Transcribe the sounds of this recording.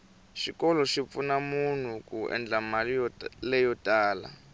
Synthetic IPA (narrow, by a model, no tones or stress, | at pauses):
ʃikɔlɔʃip̪funamun̤ukuɛ̰nd͡ɮamalɛjɔtʼaːla̰